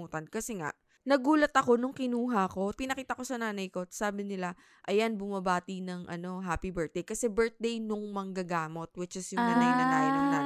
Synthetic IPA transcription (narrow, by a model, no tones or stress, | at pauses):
uːt̪ɐnkɐsɛŋa̰ʔ | nɐɡuːlɐt̪ɐko̞nʊŋkɪnuːɦɐko̞pɪnɐkiːt̪ɐko̞sɐnaːnɐjko̞saːbɪnɪla | ʔɐjanbʊmɐbaːt̪inɐŋʔɐ̰no̞ɦaːpibɛɹt̪̚d̪ejkɐsɛbɛɹt̪̚d̪ejnʊŋmɐŋɡɐɡaːmo̞t̪̚wɪt͡ʃɪsjʊŋɐnɐjnɐt̪aːjonɐla